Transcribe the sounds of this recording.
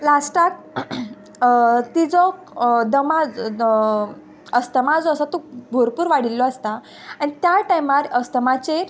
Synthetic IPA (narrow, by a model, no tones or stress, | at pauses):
lasʈat̪̚ | t̪id͡zɔ | d̪əmad͡z | əst̪əmad͡zɔəsat̪obʱoɾpuːɾʋaɽ̤ilːɔast̪a | añit̪jaʈajmaɾəst̪əmat͡se